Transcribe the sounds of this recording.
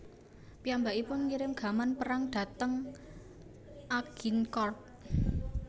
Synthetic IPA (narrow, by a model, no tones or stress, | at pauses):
piambaʔipʊnŋiɾɪmɡ̥a̤manpəɾaŋɖ̥ä̤t̪əŋ | ʔaɡ̥inkɔrt̚